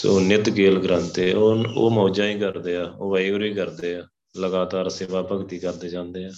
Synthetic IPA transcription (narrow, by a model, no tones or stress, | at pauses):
sonɪt̪keːlɡɾə̃nt̪eːoo̰ːmõːd͡ʒãːĩːkəɾd̪eːaːoːʋəiːɡʊɾiːkəɾd̪eːaː | ləɡaːt̪aːɾseːʋaːpəkt̪iːkəɾd̪eːd͡ʒãːnd̪eːãː